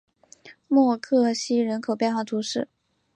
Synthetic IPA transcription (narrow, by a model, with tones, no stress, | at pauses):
mwɔ˥˧kʰɤ˥˩ɕi˥ɻə˧˥nkʰo˨˩ʊpjnxwɑ˥˩t̪ʰu˧˥ʂɻ̩˥˩